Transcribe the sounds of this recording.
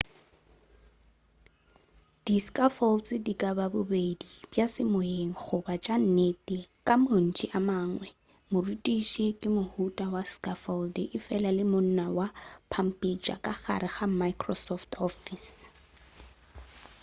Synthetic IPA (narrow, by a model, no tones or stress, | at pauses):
d̥iskʼafɔlt͡sʼɪdikʼababʊbedib̥jasɪmoeŋ̩χʊbat͡ʃʼan̩netʼɪkʼamon̩t͡ʃʼiʔamaːŋwɛ | mʊrutʼiʃikʼɪmʊhutʼawaskʼafɔldɪʔɪfɛlalɪmʊn̩nawapʰam̩pʼit͡ʃʼa̰kʼaχa̰ɾɪχam̩maikʰʼrɔsɔftʰɔfis